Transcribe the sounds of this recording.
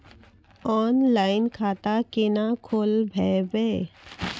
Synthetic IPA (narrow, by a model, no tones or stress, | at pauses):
ɔːnlaːɪnkʰaːt̪akenakʰoːlbʱɛːbeː